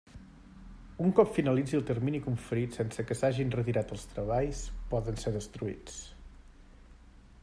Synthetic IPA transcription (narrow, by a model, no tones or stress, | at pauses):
uŋkɔpfinəlid͡ziəlˠt̪ərminikuɱfəɾit̪sɛnsəkəsaʒinrət̪iɾat̪əlˠst̪ɾəβ̞aʎspɔðənseðəst̪ɾuḭt͡s